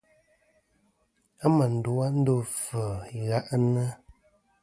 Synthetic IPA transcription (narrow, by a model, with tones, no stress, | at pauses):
a˦mə˨n̩˨do˨˦a˦n̩˦do˦˨fə˨i˨ɣa˦ʔnə˦